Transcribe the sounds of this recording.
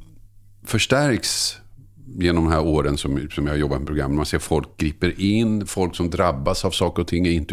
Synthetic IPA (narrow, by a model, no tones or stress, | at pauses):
fœʂʈæɾks | jeːnɔmd̪ɛmhæɾoːɾənsɔmsɔmjahaɾjɔbːat̪mɛpɾʊɡɾa̰mːnmanseːɾfɔlk̚ɡ̥ɾiːpəɾʔɪnːfɔlksɔmd̪ɾabːasavsɑːkəɾɔt̪ʰɪŋːæɾɪnt̪ə